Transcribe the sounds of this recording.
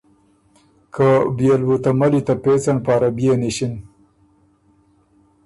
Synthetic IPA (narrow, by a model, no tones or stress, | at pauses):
kʰabijalbut̪amalit̪apet͡sanpɑːɾabijeniɕin